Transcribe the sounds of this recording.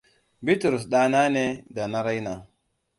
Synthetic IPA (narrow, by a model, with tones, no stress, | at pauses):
bi˦tu˨ɾu˨s̬ɗa˨na˦ne˦da˨na˦ɾa˦jna˨